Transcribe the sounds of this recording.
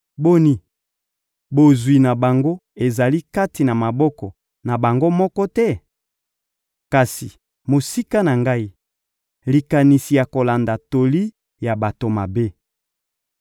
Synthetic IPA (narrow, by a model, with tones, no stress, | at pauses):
bo˦ni˦ | bo˨zwi˨na˨ba˨ŋɡo˦e˨za˨li˦ka˦ti˨na˨ma˨bɔ˦kɔ˨ | na˨ba˨ŋɡo˦mɔ˦kɔ˦tɛ˦ | ka˨si˨ | mo˨si˦ka˦na˨ŋɡa˦i˦ | li˨ka˨ni˨si˨ja˨ko˨la˨nda˨to˨li˦ | ja˨ba˨to˨ma˨be˦